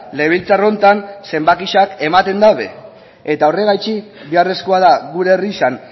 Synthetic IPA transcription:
le̞β̞ilt͡saro̞nt̪anse̞mbakiʃake̞mat̪e̞nd̪awðe̞̰ | e̞t̪ao̞re̞ɣajt͡ʃibiare̞sko̞að̞aɣuɾeːrisan

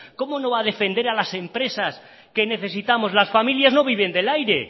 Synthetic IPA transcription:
ko̞mono̞βaðe̞fe̞nd̪eɾalase̞mpɾe̞sas | ke̞ne̞θe̞sit̪amo̞zlasfamiljazno̞β̞iβ̞e̞nd̪e̞lajɾe

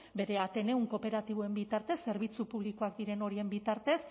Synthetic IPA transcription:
be̞ɾe̞at̪e̞ne̞uŋko̞pe̞ɾat̪iβ̞oe̞mbit̪aɾt̪e̞sːe̞ɾβit͡supuβ̞liko̞akd̪iɾe̞no̞ɾie̞mbit̪aɾt̪e̞s

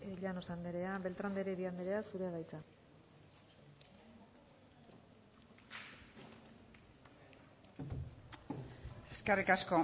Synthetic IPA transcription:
eʎanosand̪eɾe̞abe̞lt̪ɾand̪eɾeβiand̪eɾe̞asuɾeaðajt͡sa | eskarikasko

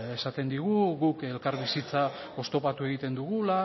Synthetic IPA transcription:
esat̪e̞nd̪iɣ̞uɣuke̞lkaɾβisit͡sa | o̞st̪o̞pat̪ue̞ɣit̪e̞nd̪uɣula

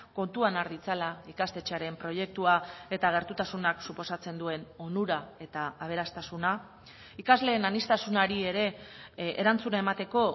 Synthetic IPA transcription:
ko̞nt̪uanaɾðit͡salaikast̪e̞t͡ʃeaɾe̞mpɾo̞je̞k̚t̪uae̞t̪aɣ̞e̞ɾt̪ut̪asunaksupo̞sat͡se̞nd̪ue̞no̞nuɾae̞t̪aːβ̞e̞ɾast̪asuna | ikazle̞ːnanist̪asunaɾie̞ɾe̞eɾant͡sunaemat̪e̞ko̞

